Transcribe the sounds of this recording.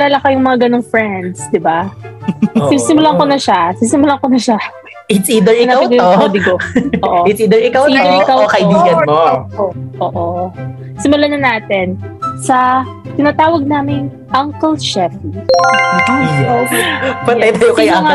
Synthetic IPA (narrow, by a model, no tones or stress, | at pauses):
laːlɐkajʊŋmɐŋaɡɐno̞ŋfɹɛnd̪sd̪ɪba | sɪmsɪmʊlaŋkonɐʃasɪsɪmʊlakonɐʃa | ʔɪt̪siːd̪ɛɹɪnaawɡɐj̪ood̪iɡoʔoʔɪt̪siːd̪ɛɹɪkawid̪ɛɹɪkawkɐʔɪiːɡɐmooʔoːʔo | sɪmʊlanɐnaːt̪ɛnsɐ | t̪ɪnaːt̪aːwɐɡ̚naːmɪŋ | ʔɐŋkɛlʃɛfi | pɐɐjt̪aːjokɐjaŋa